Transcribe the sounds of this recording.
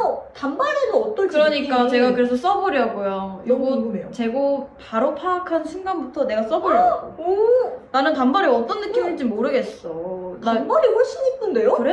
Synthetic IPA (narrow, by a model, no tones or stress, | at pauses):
ʌtambaɾenɯnʌt͈ʌnkɯɾʌɲikk͈at͡ɕe̞ɡakɯɾe̞sʰʌs͈ʌbʌɾjʌɡojojoɡʌnet͡ɕe̞ɡopaɾopʰakʰanɕʰinɡanbutʰʌne̞ɡas͈ʌbʌɾjʌoonanɯntambaɾeʌt͈ʌnːɯk͈imid͡ʑimːoɾɯɡe̞s͈ʌnambaɾiɸoɭɕ͈ʰiɲip͈undejokɯɾe